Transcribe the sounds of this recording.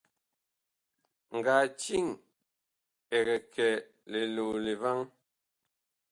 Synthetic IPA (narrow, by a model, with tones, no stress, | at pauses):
ŋ̩˨ɡa˨t͡ʃi˦˨ŋ | ɛ˨ɣɛ˨kʰɛ˨ | le˨lo˨le˨va˦ŋ